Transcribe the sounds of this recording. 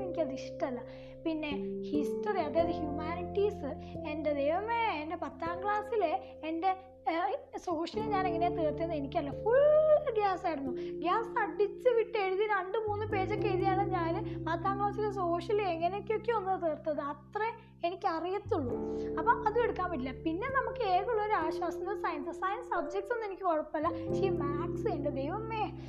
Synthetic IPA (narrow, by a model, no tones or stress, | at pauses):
enikʲːɐðiʂʈːɐɐlːɐ | pinːe̞hisʈɐriɐðeɐðɨhjumaːniʈːiːsɨende̞d̪ejʋɐmeende̞pɐt̪ːaːŋɡɭaːsile | ende̞ | so̞ːʂɐlɲaːneŋːɐneːt̪eːrt̪ːiɐnːenikʲːɐlːɐfuɭɡjaːsajɽunːuɡjaːsɐɖit͡ɕːɨʋiʈːeɻuðiɾɐɳɖɨmuːnːɨpe̞ːd͡ʑɐkːejt̪ijaːɭɐɲaːnɨmaːt̪ːaːŋːoːt͡ɕːiles̬o̞ːʂɐleŋːɐnejokʲːeo̞kːeonːɨt̪eːrt̪ːɐðɨɐt̪re | enikʲːɨɐrijɐt̪ːuɭːuɐpːoːʔɐðueɽukːaːmbiilːɐpinːe̞nɐmukːɨeːkuɭːɐoɾuaːɕwaːsɐt̪ːsaːjɐnsɐsaːjɐnsɐd̪d͡ʑɐk̚ʈse̞nːenikʲːɨkoɻɐpːɐlːɐɕiːmaːksɨeɳɖɨd̪ejʋɐmːeː